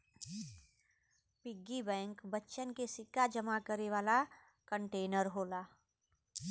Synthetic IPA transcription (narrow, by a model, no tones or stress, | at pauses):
pɪɡːibɛ̃ːŋkbətːʃənkesɪkːad͡ʒəmakəɾeʋaːla | kəɳʈeːnəɾɦoːlaː